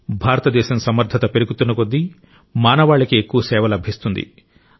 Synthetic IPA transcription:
bʱaːɾɐt̪ɐd̪ɛːʃɐmsɐmɐɾd̪ʱɐt̪ɐpe̞ɾuɡut̪unːɐkod̪ːi | maːnɐʋaːɭːɐkiekːuʋɐsɛːʋɐlɐbʱist̪und̪ḭ

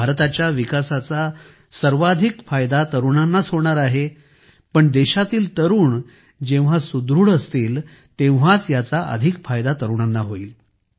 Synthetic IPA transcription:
bʱaɾt̪at͡ɕjaʋikasat͡sa | səɾʋad̪ʱikfajd̪at̪əɾuɳanːasɦoɽ̃aɾaɦe | pəɳd̪eɕat̪iːlt̪əɾuːɳ | d͡ʑẽʋ̤̃asud̪ɾuːɽəst̪iːl | t̪ẽʋ̤at͡sjat͡saʔə̰d̪ʱikfajd̪at̪əɾuɳ̃anːaɦoiːl

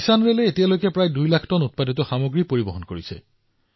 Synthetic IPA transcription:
sanɹelɛetijalojkɛpɹajdujlakʰtɔnut̚paditɔxamoɡɹipoɹibɔɦɔnkoɹisɛ̰

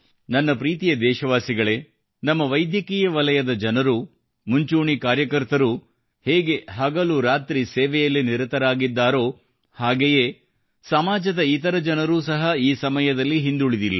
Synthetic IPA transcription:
nɐnːɐpɾiːt̪ijɐd̪ɛːʃɐʋaːsiɡɐɭe̞ː | nɐmːɐʋɐjd̪jɐkiːjɐʋɐlɐjɐd̪ɐd͡ʒɐnɐɾu | muɲt͡ʃuːɳikaːɾjɐkɐɾt̪ɐɾu | heːɡe̞ɦɐɡɐluɾaːt̪ɾisɛːʋɛjɐlːiniɾɐt̪ɐɾaːɡid̪ːaːɾo̞ː | haːɡeje̞ː | sɐmaːd͡ʒɐd̪ɐit̪ɐɾɐd͡ʒɐnɐɾuːsɐɦɐiːsɐmɐjɐd̪ɐlːiɦind̪uɭid̪ilːɐ

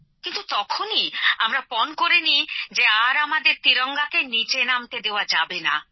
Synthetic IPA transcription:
kint̪ut̪ɔkʰoniamɾapɔnkoɾenid͡ʑeaɾamad̪eɾt̪ɾiɾɔŋɡakenit͡ɕenamt̪ed̪eoad͡ʑabena̰

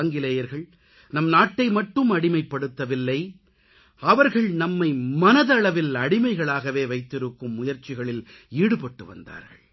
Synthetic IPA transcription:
ŋɡɪlɐjɐɾɣɐɭ | nɐmnaːʈːɐɪmɐʈːɯmɐɽɪmɐɪpːɐɽɯt̪ːɐʋɪlːɐɪ | ɐʋɐɾɣɐɭnɐmːɐɪmɐnɐðɐɭɐʋɪlɐɽɪmɐɪɣɐɭaːɣɐʋeːʋɐɪt̪ːɪɾɯkːɯmːʊjɐɾt͡ʃːɪɣɐɭɪl | iːɽɯpɐʈːɯʋɐ̰nd̪a̰ːɾɣɐ̰ɭ

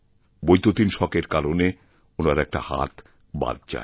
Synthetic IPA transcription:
bojt̪ot̪inʃɔkeɾkaɾone | onaɾɛk̚ʈa̰ha̰t̪ | ba̰d̪̚d͡ʑa̰e

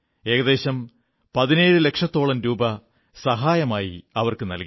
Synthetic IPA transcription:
e̞ːɡɐðe̞ːɕɐm | pɐðine̞ːɻɨle̞kʂɐt̪ːo̞ːɭɐnɾuːbɐ | sɐɦaːjɐmaːjḭɐʋɐrkɨnɐ̰lki

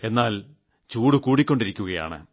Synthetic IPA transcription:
e̞nːaːl | t͡ɕuːɽukuːɽikʲːo̞ɳɖiɾikʲːuɣɐja̰ːɳɨ̰

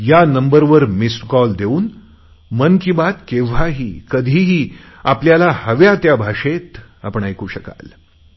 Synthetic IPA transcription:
janəmbəɾʋəɾmiskɔld̪euːn | mənkibat̪kẽʋ̤aɦiːkəd̪ʱiːɦiː | apljalahəʋjat̪jabʱaʂet̪apəɳajkuːɕəka̰l

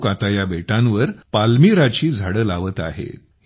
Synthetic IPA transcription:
kat̪ajabeʈãnʋəɾpalmiɾat͡ɕiːd͡zʱaɽəːlaʋət̪a̰ɦḛt̪

